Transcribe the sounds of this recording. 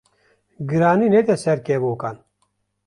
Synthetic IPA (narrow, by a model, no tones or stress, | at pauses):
ɡɨɾaːniːnet̪ɛsɛɾkeːboːkaːn